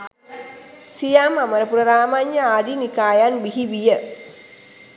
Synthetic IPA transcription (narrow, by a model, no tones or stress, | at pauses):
sijamaməɾəpuɾəɾaːmaɲjəaːd̪inikaːjanbiɦiʋijə